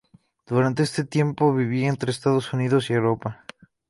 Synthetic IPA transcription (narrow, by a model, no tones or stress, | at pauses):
d̪̥uɾant̪̬e̞est̪e̞t̪je̞mpo̞βiβient̪ɾe̞ːst̪aðosuniðo̞siewɾo̞pa